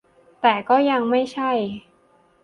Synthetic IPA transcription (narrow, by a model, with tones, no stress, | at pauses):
t̪ɛː˨˩kɔː˥˩ja˧ŋma˥˩jt͡ɕʰa˥˩j